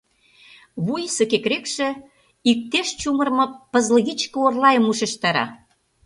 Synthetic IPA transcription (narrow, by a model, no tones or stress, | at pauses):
βujsə̆kekɾekʃĕ | ik̚t̪eʃt͡ɕumə̆rmɤ̆pə̆zlɣit͡ɕkə̆orlɑjə̆muʃĕʃt̪ɑɾɑ̰